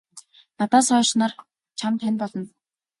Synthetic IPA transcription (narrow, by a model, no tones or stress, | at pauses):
nat̪aːsɔːʃnaːr | t͡ɕʰamt̪ʰænʲpɔɮɞ̆n